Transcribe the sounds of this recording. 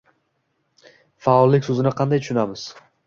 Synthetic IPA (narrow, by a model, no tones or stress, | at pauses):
faɒlˠːɪkʲsɵzɪnɪqʰɑnd̪ajt̪ʰʊ̥ʃʊnamɪz̥